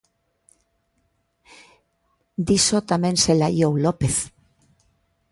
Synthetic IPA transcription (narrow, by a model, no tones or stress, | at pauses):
d̪isot̪amẽnselajowlopeθ